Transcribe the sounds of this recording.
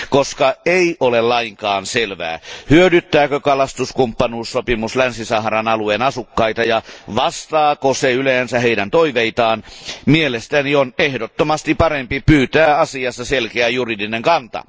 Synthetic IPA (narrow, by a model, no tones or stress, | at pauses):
koskɑeiʔolellɑiŋkɑːnselʋæ̰ːhyødyt̪ːæːkøkɑlɑst̪uskumpːɑnuːssopimuslænsisɑhrɑnɑluenɑsukːɑit̪ɑjɑʋɑst̪ɑːkoseyleːnsæheidænt̪oiʋeit̪ɑːnmielest̪ænionehdot̪ːomɑst̪ipɑrempipyːt̪æːɑsiɑst̪ːɑselkeæjuridineŋkɑnt̪ɑ̰